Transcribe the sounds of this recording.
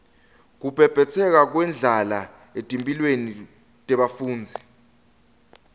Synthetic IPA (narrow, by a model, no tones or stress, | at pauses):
k̬upʰɛb̥ʱɛt͡sʰɛk̬ak̬wɛnd͡ɮʱala | etʼempʼilweni | tʼɛɓafuːnd͡zʱi